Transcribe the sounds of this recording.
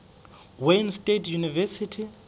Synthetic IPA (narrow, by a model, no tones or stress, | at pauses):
wenstʼetʰjunivɛsitʰi